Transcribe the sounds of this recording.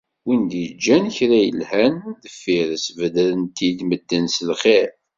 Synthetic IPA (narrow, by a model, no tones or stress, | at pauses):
wind̪əd͡ʒːænçɾæjə̰lhænðəfːiɾəsvəd̪lənt̪id̪məd̪ːənsəlχeɾ